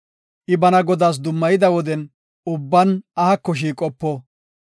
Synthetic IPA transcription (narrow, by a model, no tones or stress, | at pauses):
ʔɪbɐnɐɡɔd̪aːs̬d̪ʊmːɐjɪd̪ɐwɔd̪ɛn | ʊbːɐnɐhɐkːɔʃ̬iːkʼɔpːɔ